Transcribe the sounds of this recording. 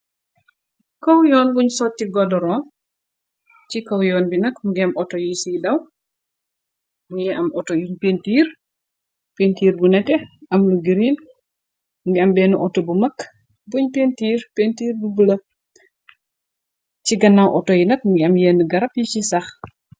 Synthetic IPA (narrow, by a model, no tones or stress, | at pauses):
kɔwjɔːnbuɲsɔtːiɡɔdɔɾɔːn | cikɐwjɔːnbinɐkmuɡɐmʔɔtɔjisiːdɐw | mujɛʔɐmɔtɔjuɲpentiːɾ | pentiːɾbunɛtɛɐmluɡiɾin | muɡiɐmbɛːnuʔɔtɔbumɐkː | buɲpentiːɾpentiːrbubəlɐ | ciɡɐnːawʔɔtɔjinɐk̚muŋɡiɐmjenːəɡɐɾɐpjit͡ʃisɐx